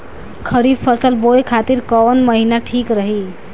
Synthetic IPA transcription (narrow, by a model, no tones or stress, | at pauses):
kʰəɾib̚pʰəsəlbojkʰat̪iɾkɔwənməɦinaʈʰikɾəɦi